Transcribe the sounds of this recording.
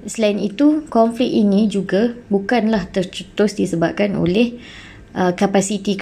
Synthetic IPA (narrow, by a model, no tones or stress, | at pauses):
səlainit̪ukɔɱflɪk̚inĩd͡ʒuɡabukanlaht̪ərt͡ʃət̪ʊsdisəbap̚kano̰lɛh | ʔəkapasit̪i